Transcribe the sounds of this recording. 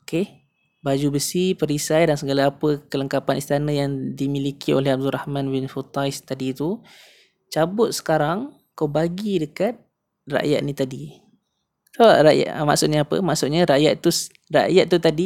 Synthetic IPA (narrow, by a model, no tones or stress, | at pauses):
oke | bad͡ʒubəsipəɾisajdansəɡalaːpəkələŋkapanist̪anə̃jaŋdimilikʰiolɛhab̚dulɾʔahmãnbɪnfut̪ajst̪adit̪u | t͡ʃabʊt̪̚sə̥kaɾaŋ | kawbaɡidəkat̪̚ | ra̰ʔja̰ʔ̪̚nit̪adi | saɾa̰ʔja̰ma̰ʔsʊʔɲaːpə̰maʔsʊtʔɲaɾaʔjat̪t̪u | ra̰jat̪̚t̪ːut̪adi